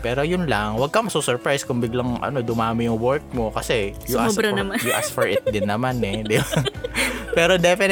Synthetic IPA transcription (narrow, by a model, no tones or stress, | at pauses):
pɛːɾo̞jʊnlɐŋwɐɡ̚kɐmɐsusɔɹpɹajskʊŋbɪɡlɐŋʔɐ̰no̞d̪ʊmaːmɪjʊŋwɛɹk̚mo̞kɐsɛjʊʔmɾɐnɐmajʊʔasfɔɹʔɪt̪̚d̪ɪnːɐmanɛd̪ɪba | pɛːɾo̞d̪ɛfɪn